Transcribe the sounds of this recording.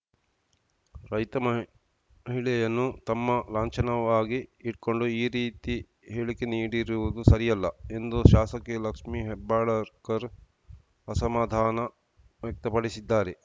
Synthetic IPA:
ɾɐjt̪ɐmɐ | ɦiɭɛjɐnːut̪ɐmːɐlaːɲt͡ʃɐnɐʋaːɡiːʈko̞ɳɖuiːɾiːt̪i | ɦeːɭikeniːɽiɾuʋud̪usɐɾijɐlːɐe̞nd̪uʃaːsɐkelɐkʂmiɦebːaːɭɐɾkɐɾ | ɐsɐmaːd̪ʱaːnɐ | ʋjɐk̚t̪ɐpɐɽisid̪ːaːɾe

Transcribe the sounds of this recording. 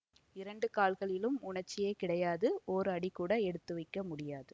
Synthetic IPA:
ɪɾɐɳɖɯkaːlɣɐɭɪlɯmʊɳɐɾt͡ʃːɪjeːkɪɽɐjaːðɯoːɾɯɐɽikuːɽɐɛɽɯt̪ːɯʋɐɪkːɐmʊɽɪjaːðɯ

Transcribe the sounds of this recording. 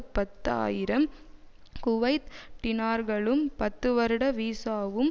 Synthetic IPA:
pɐt̪ːa̰ːjɪɾɐm | kʊʋɐɪt̪ʈ̪ɪnaːɾɣɐɭɯmpɐt̪ːɯʋɐɾɯɽɐʋiːsaːʋɯm

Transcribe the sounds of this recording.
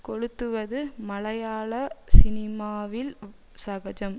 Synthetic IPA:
kɔɽɯt̪ːɯʋɐðɯmɐɭɐjaːɭɐsɪnɪmaːʋɪl | sɐɣɐd͡ʒɐm

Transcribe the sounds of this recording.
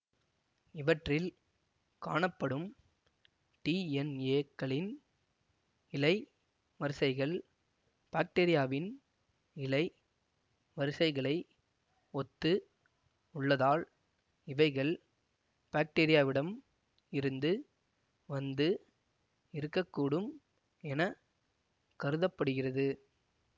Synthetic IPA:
ɪʋɐʈrɪl | kaːɳɐpːɐɽɯm | ʈiːɛneːkːɐɭɪn | ɪlɐɪ | ʋɐɾɯsɐɪɣɐɭ | b̥aːk̚ʈeɾɪjaːʋɪn | ɪlɐɪ | ʋɐɾɯsɐɪɣɐɭɐɪ | ɔt̪ːɯ | ʊɭːɐðaːɭ | ɪʋɐɪɣɐɭ | b̥aːk̚ʈeɾɪjaːʋɪɽɐm | ɪɾɯnd̪ɯ | ʋɐnd̪ɯ | ɪɾɯkːɐkːuːɽɯm | ɛnɐ | kɐɾɯðɐpːɐɽɯɣɪrɐðɯ

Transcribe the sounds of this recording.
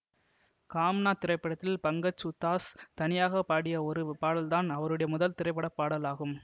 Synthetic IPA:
kaːmnaːt̪ɪɾɐɪpːɐɽɐt̪ːɪlpɐŋɡɐt͡ʃːʊt̪ːaːst̪ɐnɪjaːɣɐpːaːɽɪjɐɔɾɯpaːɽɐlt̪aːnɐʋɐɾɯɽɐjɐmʊðɐlt̪ɪɾɐɪpːɐɽɐpːaːɽɐlaːɣɯm

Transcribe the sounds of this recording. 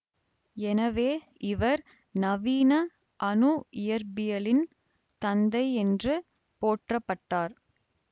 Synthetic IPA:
ɛnɐʋeː | ʔɪʋɐɾ | nɐʋiːnɐ | ʔɐnuɪjɐɾbɪjɐlɪn | t̪ɐnd̪ɐɪɛndrɯ | poːʈrɐpːɐʈːaːɾ

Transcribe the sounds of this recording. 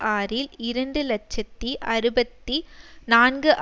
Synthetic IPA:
ʔaːɾɪlɪɾɐɳɖɯlɐt͡ʃːɐt̪ːiʔɐɾɯbɐt̪ːinaːnɡɯʔ

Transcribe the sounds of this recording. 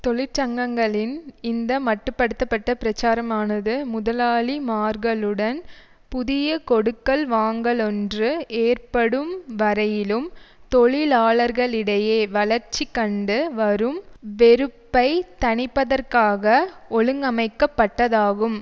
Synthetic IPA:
t̪ɔɭɪɾt͡ʃɐŋɡɐŋɡɐɭɪnɪnd̪ɐmɐʈːɯpːɐɽɯt̪ːɐpːɐʈːɐpɪɾɐt͡ʃːaːɾɐmaːnɐðɯmʊðɐlaːɭimaːɾɣɐɭɯɽɐn | pʊðɪjɐkɔɽɯkːɐɭʋaːŋɡɐɭɔndrɯeːrpɐɽɯmʋɐɾɐjɪlɯmt̪ɔɭɪlaːɭɐɾɣɐɭɪɽɐjeːʋɐɭɐɾt͡ʃːikːɐɳɖɯʋɐɾɯmʋɛɾɯpːɐɪt̪ɐɳɪpːɐðɐrkaːɣɐɔɭɯŋɡɐmɐɪkːɐpːɐʈːɐðaːɣɯm

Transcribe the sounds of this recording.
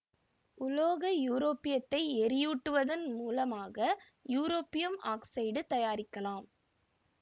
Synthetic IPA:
ʊloːɣɐjuːɾoːpɪjɐt̪ːɐɪɛɾɪjuʈːɯʋɐðɐnmuːlɐmaːɣɐ | juːɾoːpːɪjɐmaːksɐɪɖɯt̪ɐjaːɾɪkːɐlaːm

